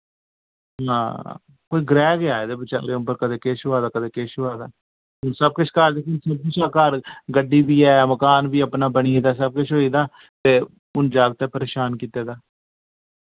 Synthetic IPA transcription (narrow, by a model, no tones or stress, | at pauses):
ɦãː | koːiːɡɾɛːɡɪaːeːd̪eːbət͡ʃa̰ːɾeːʊmbəɾkəd̪eːkeːʃoaːd̪aːkəd̪eːkeːʃoːaːd̪a̰ː | ɦʊnsəb̚kʊt͡ʃʰkəɾd̪eːkʊnsəb̚kʊt͡ʃʰaːkəɾɡəɖːiːbiːɛːməkaːnʋiːəpnaːbəɳiːed̪aːs̬əb̚kʊt͡ʃʰɦoːiːd̪aː | t̪eː | ʊnd͡ʒaːɡt̪eːpəɾeːʃaːnkiːt̪eːd̪aː